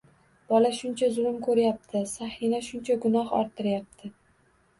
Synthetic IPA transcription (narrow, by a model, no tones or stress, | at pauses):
b̥ɒlaʃʊnt͡ʃʰazʊlɪmkʰɵɾjap̚t̪ʰɪsahɪnaʃʊnt͡ʃʰaɡʊnɒhɒ̰ɾt̪ʰːɪɾjap̚t̪ʰɪ